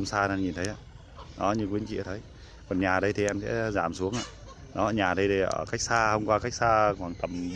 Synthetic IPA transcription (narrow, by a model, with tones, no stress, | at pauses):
ŋ͡msaː˧a˧ɲi˨˩nt̪ʰə˨˦jʔaː˧˩ | ɗɔ˨˦ɲɨ˧ŋkwi˨˦ənt͡ɕḭ˧˨ə˩t̪ʰə˨˦j | kɔ˨˩nɲaː˨˩ɗə˧jt̪ʰi˨˩ʔɛ˧msɛ̰˧˥zaː˧˩msu˨˦əŋʔaː˧˨ | ɗɔ˨˦ə˧˩ɲaː˨˩ɗə˧jt̪ə˨˧˩ə̰ː˧˩ka˦˥jk̚saː˧hə˧wŋ͡mkwaː˧ka˦˥jk̚saː˧kwaː˨˩ŋt̪ə˨˩m